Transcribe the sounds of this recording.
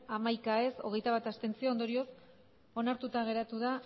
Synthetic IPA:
amajkae̞so̞ɣe̞jt̪aβ̞at̪ast̪e̞nt͡sioond̪o̞ɾio̞s | o̞naɾt̪ut̪aɣ̞e̞ɾat̪uða

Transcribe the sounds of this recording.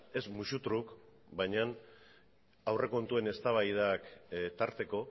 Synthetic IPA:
e̞zmuʃut̪ɾuk | bajɲan | awre̞ko̞nt̪ue̞ne̞st̪aβajð̞akt̪aɾt̪e̞ko̞

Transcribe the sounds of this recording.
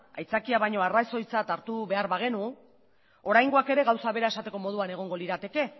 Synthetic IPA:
ajt͡sakiaβajɲo̞araso̞jt͡sat̪aɾt̪uβe̞aɾβaɣ̞e̞nu | o̞ɾajŋɡo̞ake̞ɾe̞ɣawsaβ̞e̞ɾae̞sat̪e̞ko̞mo̞ð̞uane̞ɣ̞o̞ŋɡo̞liɾat̪e̞ke̞

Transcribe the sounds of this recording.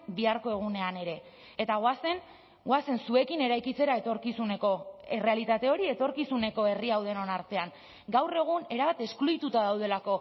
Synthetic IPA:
biaɾko̞e̞ɣ̞une̞ane̞ɾe̞ː | t̪aɣwasen | ɣoase̞nsue̞kine̞ɾajkit͡se̞ɾaet̪o̞ɾkisuneko̞ere̞alit̪at̪e̞o̞ɾie̞t̪o̞ɾkisune̞ko̞e̞riawðe̞no̞naɾt̪e̞aŋ | ɡawre̞ɣ̞une̞ɾaβat̪e̞skluit̪ut̪aðawð̞e̞lako̞

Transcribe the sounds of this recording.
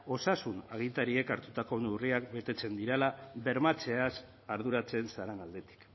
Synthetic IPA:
o̞sasunaɣ̞int̪aɾie̞kaɾt̪ut̪ako̞nuriakbe̞t̪e̞t͡se̞nd̪iɾelaβe̞ɾmat͡se̞as | aɾðuɾat͡se̞nsaɾanald̪e̞t̪i̥k

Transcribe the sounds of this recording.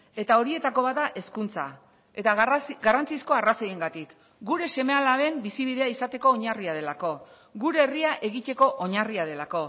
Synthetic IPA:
e̞t̪ao̞ɾie̞t̪ako̞β̞at̪̚d̪aʔe̞skunt͡sa̰ | e̞t̪aɡarant͡sisko̞arasoɣiŋɡat̪ik | ɡuɾe̞se̞me̞alaβe̞mbisiβiðe̞aisat̪e̞ko̞ːɲariað̞e̞lako̞ | ɡuɾe̞ːriaʔe̞ɣit̪e̞ko̞ʔoɲariað̞e̞lako̞

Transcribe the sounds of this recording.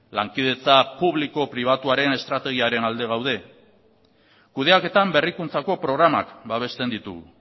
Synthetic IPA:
laŋkið̞e̞t͡sapuβliko̞pɾiβ̞at̪uaɾe̞ne̞st̪ɾat̪e̞ɣ̞iaɾe̞nald̪e̞ɣawðe̞ | kuð̞e̞ake̞t̪ambe̞rikunt͡sako̞pɾo̞ɣ̞ɾama̰kbaβ̞e̞st̪e̞nd̪it̪uɣu

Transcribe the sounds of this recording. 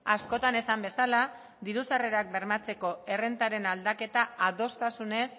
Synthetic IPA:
asko̞t̪ane̞sambe̞sala | d̪iɾusare̞ɾak̚be̞ɾmat͡se̞ko̞e̞rent̪aɾe̞nald̪ake̞t̪aaðo̞st̪asune̞s

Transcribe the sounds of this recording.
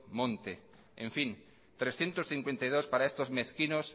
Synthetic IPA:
mõnt̪e | ḛ̃ɱfin | t̪ɾesθjent̪osθiŋkwent̪ajð̞ospaɾaest̪ozmeθkinos

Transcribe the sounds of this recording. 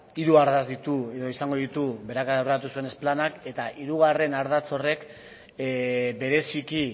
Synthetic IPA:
iɾuaɾðazd̪it̪ue̞ðo̞isaŋɡo̞ðit̪uβe̞ɾakaawreat̪usue̞ne̞splanake̞t̪aʔiɾuɣ̞are̞naɾðat͡so̞re̞k | be̞ɾe̞siki

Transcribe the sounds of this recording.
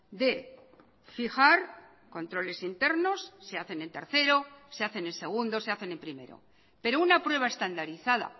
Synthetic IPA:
d̪e̞ | fixaɾ | ko̞nt̪ɾo̞le̞sint̪e̞ɾno̞sːe̞aθe̞ne̞nt̪e̞ɾθe̞ɾo̞se̞aθe̞nense̞ɣ̞und̪o̞se̞aθe̞ne̞mpɾime̞̰ɾo̞̰ | pe̞ɾounapɾwe̞β̞ae̞st̪and̪aɾiθaða̰

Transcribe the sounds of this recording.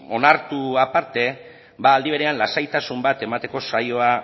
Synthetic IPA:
o̞naɾt̪uapaɾt̪e̞ | baːld̪iβ̞e̞ɾe̞anlasajt̪asumbat̪e̞mat̪e̞ko̞sajo̞a

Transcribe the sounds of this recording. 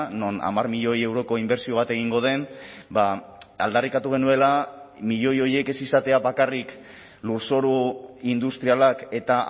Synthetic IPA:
no̞na̰maɾmiʎo̞je̞wɾo̞ko̞imbe̞ɾsio̞β̞at̪e̞ɣ̞iŋɡo̞ð̞e̞nbaa̰ld̪arikat̪uɣ̞e̞nue̞lamiʎo̞jo̞je̞ke̞sisat̪e̞aβakarik | luɾso̞ɾuind̪ust̪ɾialake̞t̪a

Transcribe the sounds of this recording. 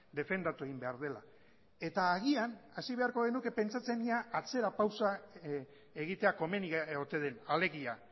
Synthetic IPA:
d̪e̞fe̞nd̪at̪ue̞ɣimbe̞aɾð̞e̞la̰ | e̞t̪aːɣ̞ianasiβe̞aɾko̞ɣ̞e̞nuke̞pe̞nt͡sat͡se̞niaʔːt͡se̞ɾapawsa | eɣit̪e̞ako̞me̞niot̪e̞ðe̞nale̞ɣia

